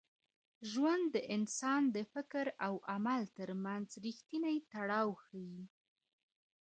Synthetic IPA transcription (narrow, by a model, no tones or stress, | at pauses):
ʒwand̪ːəʔɪnsɑnd̪əfɪkɾawʔamalt̪əɾmanzɾixt̪inajt̪aɽɑwxaji